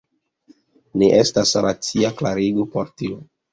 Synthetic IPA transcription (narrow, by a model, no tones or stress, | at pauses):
neʔestasɾat͡siaklaɾiɡopoɾtio